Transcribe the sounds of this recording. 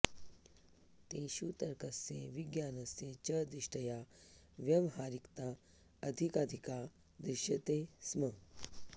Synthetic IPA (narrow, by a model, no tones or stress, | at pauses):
t̪eʃut̪ɐɾkɐsḛʋiɡjaːnɐset͡ɕɐd̪ɾiʂʈɐja | ʋjɐmɦaːɾikt̪a | ɐd̪ʱikaːd̪ʱika | d̪ɾiʃjɐt̪esmɐ